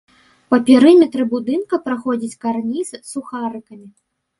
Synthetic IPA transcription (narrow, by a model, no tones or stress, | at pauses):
pɐpʲiɾɨmʲɛt̪ɾɨbud̪ɨnkɐpɾaxɔd͡zʲit͡sʲkarnʲissuxaɾɨkɐmʲi